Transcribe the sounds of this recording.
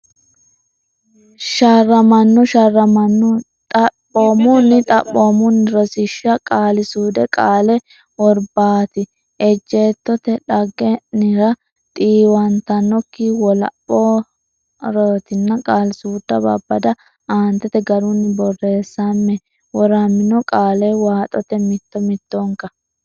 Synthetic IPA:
ʃaːrːɐmɐnːɔʃarːɐmɐnːʊ | t̪ʼɐpːoːmʊnːɪt̪ʼɐ̰pːoːmʊnːɪɾɔsɪʃːɐkʼaːlɪsuːd̪ɛkʼaːlɛ | wɔɾbaːt̪ɪ | ʔɛd͡ʒːeːt̪ːɔt̪ɛᶑɐɡɛnɪɾɐ | t̪ʼiːwɐnt̪ɐnɔkːɪwɔlɐ̰pːoː | ɾɔt̪ɪnːɐkʼaːlɪsuːd̪̥ːɐbɐ̰bːɐd̪ɐ | aːnt̪ːɛt̪ɛɡɐɾʊnːɪbɔrːeːsːɐmːɛ | wɔɾɐmːɪnɔkʼaːlɛwaːt̪ʼɔt̪ɛmɪt̪ːɔmɪt̪ːɔŋkɐ

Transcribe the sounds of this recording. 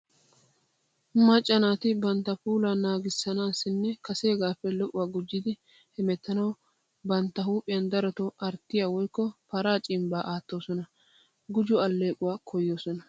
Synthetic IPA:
mɐt͡ʃʼːɐnaːt̪ɪbɐnt̪ːɐpuːlaːnaːɡɪsːɐnaːsːɪnːɛkɐseːɡaːpːɛlɔʔʊwaːɡʊd͡ʒːɪd̪ɪ | hɛmɛt̪ːɐnɐw | bɐnt̪ːɐhuːpʼɪjɐnd̪ɐɾɔt̪ɔʔɐɾt̪ːɪjawɔjkːɔpɐɾaːt͡ʃʼɪmbaːʔaːt̪ːo̞ːsɔnɐ | ɡʊd͡ʒʊɐlːe̞ːkʼʊwaːkʰɔjːoːsɔnɐ

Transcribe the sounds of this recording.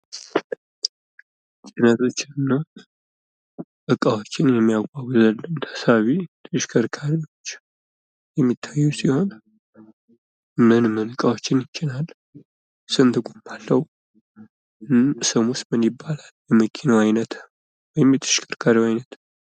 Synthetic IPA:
t͡ʃʼinət̪ʰo̞t͡ʃːɪɨnːa | ʔɨkʼawo̞t͡ʃːɪnjɛmːijaɡʷaɡzəlːɨnt̪ʰə̥saβit̪ʰʼɨʃkʰəɾkʰaɾiwo̞t͡ʃː | jɛmːit̪ʰːajːusiho̞n | mɨnmɨnɨkʼawot͡ʃːɪnjɪt͡ʃːɪlal | sɨnt̪ʰɨkʼumbalːəw | sɨmust̪mɨnibːalalbɛmɨkʰinəwajnət̪ | wɔjɪmjɛt̪ʰɨ̥ʃkʰəɾkʰaɾiwajnət̪

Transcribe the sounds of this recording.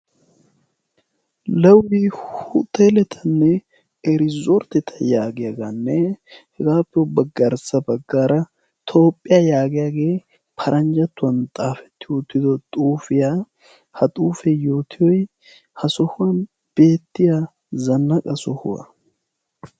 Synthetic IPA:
lɐwɪhʊt̪ːelɛt̪ʰɐnːɛ | ɛɾɪzɔɾt̪ɛt̪ʰɐjaːɡɪjaɡanːɛhɛɡaːpːɪjɔbɐɡɐɾsɐbɐɡːaːɾɐ | t̪ʰo̞ːpʼːɪjajaːɡɪjaːɡe̞ː | pʰɐɾʔɐnd͡ʒɐt̪ːʊwɐnt̪ʼaːfɛ̥t̪ːɪʊt̪ːɪd̪ɔt̪ʼuːfɪja | hɐt̪ʼuːfɛjoːt̪ʰɪjɔj | hɐsɔhʊwɐn | b̥e̞ːt̪ːɪja | zɐnːɐkʼɐsɔhʊ̰wɐ̰

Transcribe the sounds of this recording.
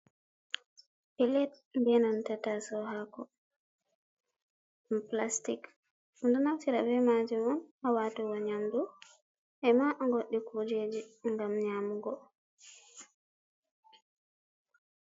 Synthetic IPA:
pilɛt̚ | mbɛnɔntatasɔhakɔ | plastik | ndunaftiɾabɛmad͡ʒɛmɔnawaːtɔwaɲamdu | ʔɛmaʔŋɡoɗːikʰud͡ʒed͡ʒiŋɡamɲaːmuɡɔ

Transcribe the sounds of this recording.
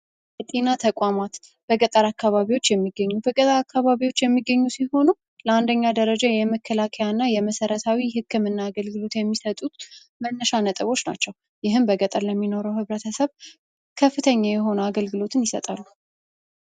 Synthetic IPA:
bɛt̪ʼenat̪ʰəkʼamat̪b̥əɡət̪ʼəɾakːaβaβiwo̞t͡ʃːjɛmːiɡːəɲːubəɡʼət̪ʼəɾakʰːaβaβiwo̞t͡ʃːjɛmːiɡːəɲːusiho̞nu | ləand̪əɲːad̪əɾəd͡ʒajɛməkʰːəlakʰəjanːajɛməsəɾət̪ʰawihɨkʰːɨmɨnːaːɡəlɡɨlo̞t̪jɛmːisət̪ʼut̪ | mənːəʃanət̪ʼɨβo̞t͡ʃna̰t͡ʃːɛw | jɪɦɨmbəɡət̪ʼəɾləmːino̞ɾəwhɨβɾət̪ʰəsəβ | kʰəfːɨt̪ʰəɲːajɛɦo̞nəaɡəlɡɨlo̞t̪ʰɨnjɪsə̰t̪ʼalːu

